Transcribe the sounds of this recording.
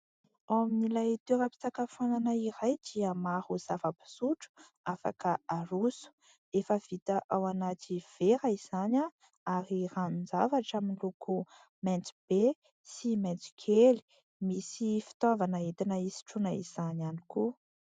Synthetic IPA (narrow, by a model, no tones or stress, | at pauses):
awaminilajt̪eɾapi̥t͡sakafananaiɾajd̪iəmahuz̥avapi̥suʈ͡ʂu̥ | afa̰kəaɾusu̥ | efəv̥it̪aʔawanat̪iv̥eɾaiz̥ana | aɾiranund͡zavaʈ͡ʂaminlukʰu | mɛnt͡sib̥e | simant͡si̥kʰeli̥ | misifi̥t̪ovanaet̪inaisi̥ʈ͡ʂunaḭz̥anani̥ku